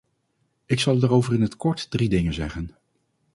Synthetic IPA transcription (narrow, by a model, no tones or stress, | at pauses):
ɪksɑlˠdaːrowvərɪnɦətkɔɹtdridɪŋənzɛχən